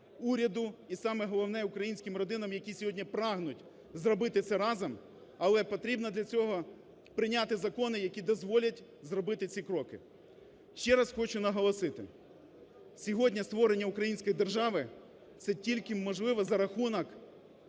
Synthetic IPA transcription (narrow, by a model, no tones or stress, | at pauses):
uɾʲɐd̪ʊisɑmɛɦɔlˠɔwnɛʊkɾɐjinʲsʲkʲɪmrɔd̪ɪnɐmjɐkʲisʲɔɦɔdʲnʲipɾɑɦnʊtʲ | zɾɔbɪt̪ɪsɛɾɑzɐm | ɐlˠɛpɔt̪ɾʲibnɐd̪lʲɐt͡sʲɔɦɔ | pɾɪnʲɑt̪ɪzɐkɔnɪjɐkʲid̪ɔzʋɔlʲɐt̚ʲ | zrɔbɪt̪ɪt͡sʲikɾɔkɪ̰ | ʃt͡ʃɛɾɐsxɔt͡ʃʊnɐɦɔlˠɔsɪt̪ɪ̰ | sʲɔɦɔdʲnʲɐst̪ʋɔɾenʲːɐukɾɐjinʲsʲkɔjid̪erʒɑʋɪ | t̪sɛtʲilʲkɪmːɔʒlˠɪʋɐzɐɾɐxunɐk